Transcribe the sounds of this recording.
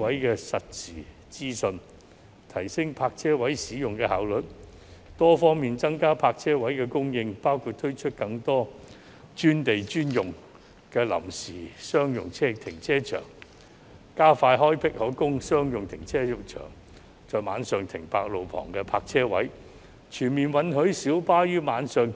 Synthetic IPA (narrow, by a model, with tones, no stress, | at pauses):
ɐ˨˥jkɛː˧sɐ˨t̚siː˨˩ | t͡siː˥sɵ˧n | t̪ʰɐ˨˩jsɪ˥ŋpʰaː˧k̚t͡sʰɛː˥wɐ˨˥jsiː˨˥jʊ˨ŋkɛ˧haː˨˥wlɵ˨t̚ | t̪ɔː˥fɔː˥ŋmiː˨nt͡sɐ˥ŋkaː˥pʰaː˧k̚t͡sʰɛː˥wɐ˨˥jkɛː˧kʊ˥ŋjɪ˧ŋpaː˥wkʰuː˧t̪ʰɵ˥ɥt͡ʃʰɵ˥t̚kɐ˧ŋt̪ɔː˥ | t͡ʃyː˥nt̪e˨jt͡ʃyː˥njʊ˨ŋ | kɛː˧lɐ̰˨˩msiː˨˩sœː˥ŋjʊ̰˨ŋt͡sʰɛː˥t̪ʰɪ˨˩ŋt͡sʰɛː˥t͡ʃʰœ̰ː˨˩ŋ | kaː˥faː˧jɦɔː˥jpʰɪ˥k̚hɔː˨˥kʊ˥ŋsœː˥ŋjʊ˨ŋt̪ʰɪ˨˩ŋt͡sʰɛː˥jʊ˨k̚t͡ʃʰœ̰ː˨˩ŋ | t͡sɔː˨˧jma̰ː˨˧nsœː˨ŋt̪ʰɪ˨˩ŋpaː˧k̚lo˨wpʰɔ̰ː˨˩ŋkɛː˧pʰaː˧k̚t͡sʰɛː˥wɐ̰˨˥j | t͡ʃʰyː˨˩nmiː˨˩nwɐ˨˥nɦɵ˨˥ɥsiː˨˥wpaː˥jyː˥maː˨˧nsœː˨ŋ